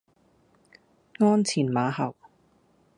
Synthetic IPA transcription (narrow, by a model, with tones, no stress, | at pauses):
ŋɔː˥nt͡sʰiː˨˩nmaː˨˧ɦɐ˨˩w